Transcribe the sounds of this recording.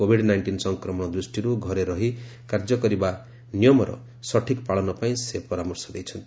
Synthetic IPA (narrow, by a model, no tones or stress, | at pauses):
obʱiɽnajɳʈinsʌŋkɾɔmɔɽ̃ɔd̪ɾusʈiɾuɡʱʌɾeɾʌɦikaɾd͡zʌkʌɾiba | nijɔmɔɾʌ̰ | sʌʈʰikpaɭɔnɔpaĩsepʌɾamɔrsɔd̪ejt͡sʰʌnt̪